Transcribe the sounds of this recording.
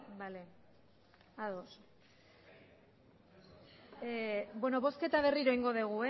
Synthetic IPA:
bale̞ | aðos | bwe̞no̞βo̞ske̞t̪aβ̞e̞riɾo̞iŋɡo̞ðeɣ̞ue

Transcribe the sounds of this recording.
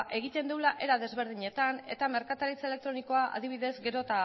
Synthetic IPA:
ʔe̞ɣ̞it̪e̞nd̪ulaʔe̞ɾaðe̞zβ̞e̞ɾð̞iɲe̞t̪ane̞̰t̪ame̞ɾkat̪alit͡saele̞k̚t̪ɾo̞niko̞aʔa̰ðiβiðe̞zɡe̞ɾo̞t̪a

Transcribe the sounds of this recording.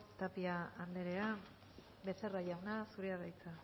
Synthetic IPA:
t̪apiaand̪eɾea | be̞se̞raʝawnasuɾeaɾajt͡sa

